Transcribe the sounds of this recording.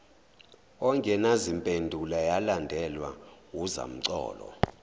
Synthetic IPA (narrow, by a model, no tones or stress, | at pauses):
ɔŋkʼɛnazimpʼendʱulajalandʱɛlwawuza̰m̩ǀɔ̰ːlɔ̰